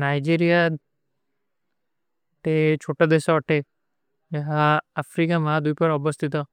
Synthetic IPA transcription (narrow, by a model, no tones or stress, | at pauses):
najd͡ʒiɾija | t̪et͡ʃʰoʈad̪eʃaʈʰe | d͡ʒɛɦaːfʰɾikamad̪ujpəɾɔbəst̪ʰit̪ɔ